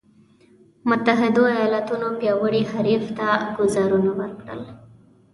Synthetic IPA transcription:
mʊt̪aɦɪd̪oajɑlat̪unobjɑwəɽihaɾift̪aɡʊzɑɾunawəɾkɽə̰l

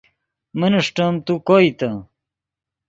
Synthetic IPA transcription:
mɐnɐʂʈɐmt̪ukoːit̪ɐ

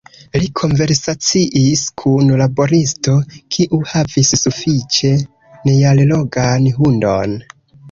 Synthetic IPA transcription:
likʰo̞ɱve̞ɾsat͡siʔiskʰunlabo̞ɾisto̞kʰiʔuhavisːufit͡ʃe̞ | nejallo̞ɡanɦundon

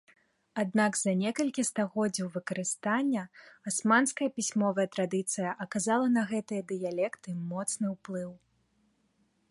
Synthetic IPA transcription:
ad̪naɡzɐnʲɛkɐlʲkʲist̪aɣɔd͡zʲɐwvɨkɐɾɨst̪anʲːɐasmanskɐjɐpʲisʲmɔvɐjɐt̪ɾad̪ɨt̪sɨjɐʔɐkazalˠɐnɐɣɛt̪ɨjɐd̪ɨjalʲɛkt̪ɨmɔt̪snɨwplˠɨw

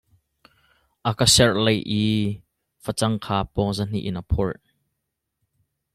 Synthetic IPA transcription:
ʔakasɛrlejʔi | fət͡sɐŋkʰaːpɔzan̥ḭʔɪnɐpʰɔɹt̚

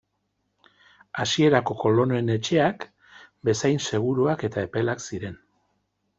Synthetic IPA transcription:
asie̞ɾako̞ko̞lo̞noene̞t͡ʃe̞ak | be̞sajnse̞ɣ̞uɾuake̞t̪ae̞pe̞laksiɾe̞n

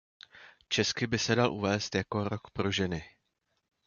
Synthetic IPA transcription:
t͡ʃɛskɪbɪsɛdalʔṵvɛːst̪jako̞ɾo̞kpɾo̞ʒɛnɪ

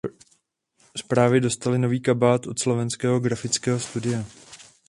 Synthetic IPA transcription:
spɾaːvɪdo̞st̪alɪno̞viːkabaːt̪ʔo̞t̪slo̞vɛnskɛːɦoɡɾafɪt͡skɛːɦost̪udɪjɛ

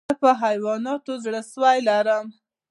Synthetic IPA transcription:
əpəɦajwɑnɑt̪ozɽəʃəwajlaɾəm

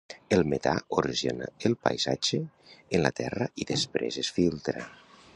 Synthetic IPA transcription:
elˠmet̪aoɾiʒenaelˠpajzad͡ʒeː | nlat̪ɛrəʔiðespɾḛzesfilˠt̪ɾa

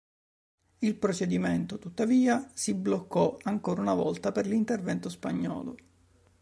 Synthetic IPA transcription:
ilpɾot͡ʃed̪iment̪ot̪ut̪ːaviːasiblokːɔaŋkoːɾaunavɔ̰lt̪aperlint̪ervɛnt̪ospaɲːɔ̰ːlo̰

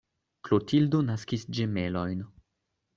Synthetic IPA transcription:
klotildo̞naskisd͡ʒe̞me̞lo̞jn

